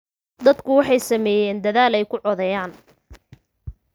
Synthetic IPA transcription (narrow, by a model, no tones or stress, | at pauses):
d̪ɐd̪kʰʊwɑħɑjsɐmɛːjɛːnd̪ɐðaːlɛjkʰʊʕɔðɛjaːn